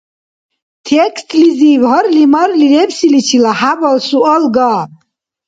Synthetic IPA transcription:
t̪ʰɛkst̪ʰlizivɦɔɾlimaɾliɾɛbsilit͡ʃʰilahabɔlsuɔlɡa

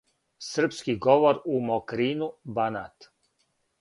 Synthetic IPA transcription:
sr̩pskiɡoʋoɾumokɾiːnubanat̪

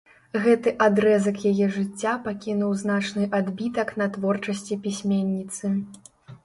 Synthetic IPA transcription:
ɣɛt̪ɨʔad̪ɾɛzɐkjajɛʐɨt͡sʲːapakʲinuwzn̪at͡ʂnɨʔad̪bʲit̪ɐknɐt̪vɔrt͡ʂɐsʲt͡sʲipʲisʲmʲenʲːit̪sɨ

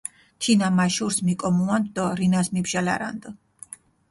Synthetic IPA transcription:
t̪ʰinamaʃuɾsmikʼɔmuand̪ɔɾinasmibʒala̰ɾa̰nd̪ɔ

